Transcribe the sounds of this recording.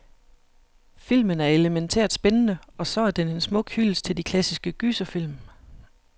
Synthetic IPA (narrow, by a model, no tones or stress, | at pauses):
fil̰mənæɐe̝ləment͡sʰḛɐ̰d̥sb̥enənəɒ̽sɒ̽æɐd̥ene̝nsmɔ̽ɡ̥hylst͡sʰe̝ld̥ikʰlæsisɡ̥əɡ̥ysɐfil̰m